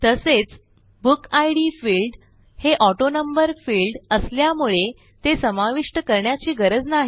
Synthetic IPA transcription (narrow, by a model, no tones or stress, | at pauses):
t̪əset͡s | bukajɽifilɖ | heʔɔʈonəmbəɾfilɖəsljamuɭe | t̪esəmaʋiʂʈəkəɾɳjat͡ɕiːɡəɾəd͡znaɦi